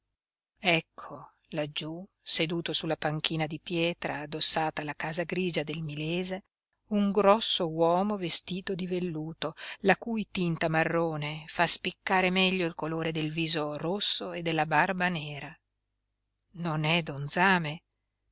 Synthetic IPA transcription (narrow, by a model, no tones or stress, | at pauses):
ɛkʰːo | lad͡ʒːu | sed̪uːt̪osulːapaŋk̟iːnad̪ipjɛːt̪ɾaːd̪osːaːt̪alakaːzaɡɾiːd͡ʒad̪elmilɛːze | uŋɡɾɔsːowɔːmovest̪iːt̪od̪ivelːuːt̪olakuːjt̪int̪amarːoːnefaspikːaːɾemɛʎːoilkoloːɾed̪elviːzorosːoed̪ːelːabarbanɛːɾa | nonɛd̪ond̪zaːme